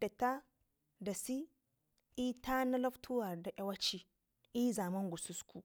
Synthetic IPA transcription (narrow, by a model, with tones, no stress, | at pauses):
da˨ta˦ | da˨si˦ | i˦ta˦na˦lo˦ftʰu˦wa˨da˨ʔa˦wa˦t͡ʃi˦ | ʔi˦za˨mɐ˦ŋɡu˨su˦skʰu˨